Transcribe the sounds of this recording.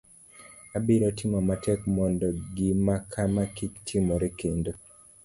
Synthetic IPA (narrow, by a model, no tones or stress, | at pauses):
abiɾɔtɪmɔmatʰɛkmɔndɔɡimakʰamakiktʰimoɾekendo